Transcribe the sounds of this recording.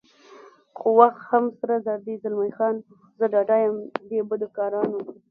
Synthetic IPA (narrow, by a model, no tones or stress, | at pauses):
xowaxt̪hamsaɾazɑd̪izalmajxɑn | zəɖɑɖɑjəmd̪ebəd̪okɑɾɑno